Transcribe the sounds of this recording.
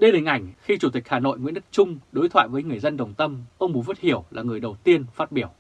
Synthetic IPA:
ɗə˧jɗə˨˩ŋʔa˨˩jŋ̟xi˧t͡ɕu˨˧˩t̪ï˨˩k̟̚haː˨˩no̰˧˨jŋwḭ˧˥ənɗɨ˦˥k̚t͡ɕʊ˧ŋ͡mɗo˨˦jt̪ʰwa̰ː˧˨jvəː˨˦jŋɨ˨˩əjzə˧nɗə˨˩wŋ͡mt̪ə˧mʔə˧wŋ͡mmu˨˩˦zə˦˥t̚hi˧˩əwlaː˨˩ŋɨ˨˩əjɗə˨˩wt̪i˧ənfaː˦˥t̚ɓi˧˩əw

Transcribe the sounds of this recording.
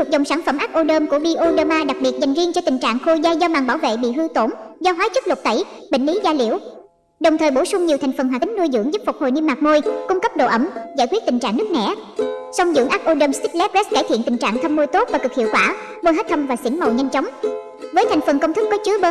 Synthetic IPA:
u˨˩zə̰˨˩wŋ͡msaː˧˩nfə˧˩mʔaː˦˥k̚ʔo˧ɗəː˧mku˧˩əɓi˧ʔo˧ɗəː˧maː˧ɗa˨˩k̚ɓi˨˩t̚za˨˩ŋ̟zi˧ət͡ɕɔ˧t̪ï˨˩ŋ̟t͡ɕa̰ː˧˨ŋxo˧jzaː˧jzɔː˧maː˨˩ŋɓaː˧˩wvḛ˧˨ɓḭ˧˨ɦɨ˧t̪o˧˩nzɔ˧ɦwaː˨˦˥t͡ɕɨ˦˥k̚lwə˨˩t̚t̪ə˧˩j | ɓḭ˧˨ŋ̟li˨˦zaː˧lḭ˧˩əw | ɗə˨˩wŋ͡mt̪ʰəː˨˩jɓo˧˩sʊ˧ŋ͡mɲi˨˩wt̪ʰa˨˩jŋ̟fə˨˩nhwaː˨˩i˨˦ŋ̟nu˧əjzɨ̰˧˥ŋzɨ˦˥p̚fʊ˨˩k͡p̚ho̰˧˨jɲɨ˧nmaː˨˩k̚mo˧jkʊ˧ŋ͡mkə˦˥p̚ɗo̰˧˨ʔə˧˩mzaː˧˩jkwi˦˥t̚t̪i˨˩ŋ̟t͡ɕa̰ː˧˨ŋnɨ˦˥ək̚nɛ̰˧˩sa˧wŋ͡mzɨ̰˧˥əŋʔaː˦˥k̚ʔo˧ɗəː˧mst̪i˦˥t̚lɛ˦˥p̚zɛ˦˥kaː˧˩jt̪ʰḭ˧˨ənt̪ï˨˩ŋ̟t͡ɕa̰ː˧˨ŋt̪ʰə˧mːo˧jt̪o˦˥t̚vaː˨˩kɨ˨˩k̚hḭ˧˨wkwaː˧˩ | ɓo˧jɦa˦˥t̚t̪ʰə˧mvaː˨˩sḭ˧˦ŋmə˨˩wɲa˧jŋ̟t͡ɕɔ˨˦wŋ͡m | vəː˨˦jt̪ʰa˨˩jŋ̟fə˨˩nkə˧wŋ͡mt̪ʰɨ˦˥k̚ːɔ˨˦t͡ɕɨ˨˦ə˧

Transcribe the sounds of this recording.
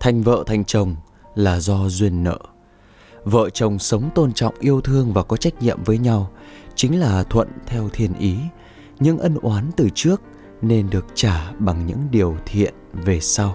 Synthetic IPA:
t̪ʰa˨˩jŋ̟və̰ː˧˨t̪ʰa˨˩jŋ̟t͡ɕə˨˩wŋ͡m | laː˨˩zɔ˧zwi˧ənːə̰ː˧˨ | və̰ː˧˨t͡ɕə˨˩wŋ͡msə˨˦wŋ͡mt̪o˧nt͡ɕɔ̰˧˨wŋ͡mʔi˧əwt̪ʰɨ˧əŋvaː˨˩kɔ˨˦t͡ɕa˦˥jk̟̚ɲḭ˧˨əmvəː˨˦jɲa˧wt͡ɕï˨˦ŋ̟laː˨˩t̪ʰwə̰˧˨nt̪ʰɛ˧wt̪ʰi˨˩ənʔi˨˦ | ɲɨ̰˧˥ŋʔə˧nʔwaː˨˦nt̪ɨ˨˩t͡ɕɨ˦˥ək̚ | ne˧nɗɨ˨˩ək̚t͡ɕaː˧˩ɓa˨˩ŋɲɨ̰˧˥ŋɗi˨˩əwt̪ʰḭ˧˨ənve˨˩sa˧w

